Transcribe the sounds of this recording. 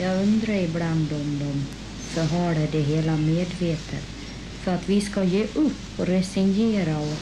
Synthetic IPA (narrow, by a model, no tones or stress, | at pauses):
jɑːɡɵnd̪ɾaɾɪbland̪ɔmd̪ɔm | sɔɾɦaɖɛd̪ɛɦeːlameːd̪veːt̪ʰə̰t̪ | fœɾat̪vɪskajeːʔɵpːɔɾɛsɪnjeːɾaɔ